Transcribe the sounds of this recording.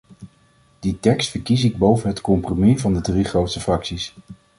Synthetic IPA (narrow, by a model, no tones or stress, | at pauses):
d̥itɛkstfəɹkisɪɡ̚bowvənɦətkɔmpromivɑndədriχrowtsəfrɑksis